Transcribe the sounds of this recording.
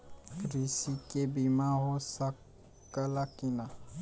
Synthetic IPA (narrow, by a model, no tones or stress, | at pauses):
kɾisikebimaɦosa | kːəlakina